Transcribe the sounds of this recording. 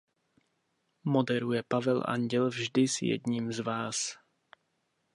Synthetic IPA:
modɛɾujɛpavɛlʔa̰ɲɟɛlvʒdɪsjɛ̰dɲiːmzvaːs

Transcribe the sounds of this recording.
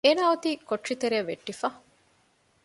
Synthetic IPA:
eːnaːut̪iːkoʈʂit̪eɾeɐʋeʈːifɐ

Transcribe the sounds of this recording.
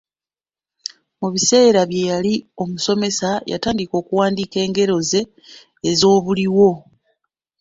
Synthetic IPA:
muβise̞ːɾaβje̞jalio̞muso̞me̞saja̰taːndiko̞ːkuwaːndike̞ːŋɡe̞ɾo̞ze̞ː | zo̞ːβuliwo̞

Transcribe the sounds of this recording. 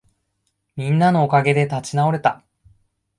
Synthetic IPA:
mʲĩnːano̞ːkaɡe̞d̪e̞t̪at͡ɕinao̞ɾe̞t̪a

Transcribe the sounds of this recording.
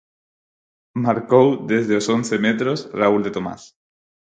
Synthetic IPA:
maɾkowd̪ezðeosonθemet̪ɾosrauld̪et̪oma̰s

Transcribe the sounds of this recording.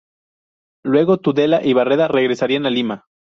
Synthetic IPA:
lwe̞ɣo̞t̪uðe̞laʔiβare̞ðare̞ɣɾe̞saɾianalima

